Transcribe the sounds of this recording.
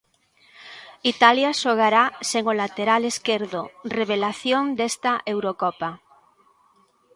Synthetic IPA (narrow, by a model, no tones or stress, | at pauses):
it̪aljaʃoɣ̞aɾaseŋolat̪eɾaleskeɾðoreβ̞elaθjoŋd̪est̪ɐʔewɾokɔpa